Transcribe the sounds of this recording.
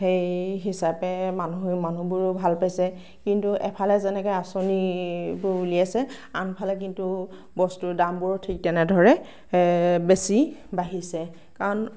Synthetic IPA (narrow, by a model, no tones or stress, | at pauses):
xejɦisapɛmanuɦojmanubuɹbʱalpajsɛ | kintuʔɛpʰalɛzɛnɛkɔjasonibʊɹuliasɛ | anpʰalɛk̬intu | bɔstudambuɹɔtʰik̚tɛnɛdʱɔɹɛ | besibaɦisɛ | kaɹɔn